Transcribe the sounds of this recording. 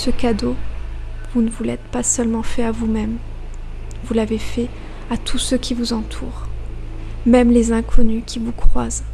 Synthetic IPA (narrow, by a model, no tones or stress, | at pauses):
səkad̪o | vunəvulɛt̪pasœlmɑ̃fɛavumɛm | vulavefɛ | at̪ʰusøkʲʰivuzɑ̃t̪ʰṵːʁ | mɛmlezɛ̃kʰɔnykʲivukχwaz